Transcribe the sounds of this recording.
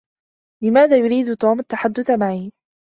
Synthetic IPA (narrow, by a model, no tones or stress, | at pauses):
lɪmaːðaːjʊɾiːd̪t̪oːmat̪ːaħad̪ːʊθamaʕiː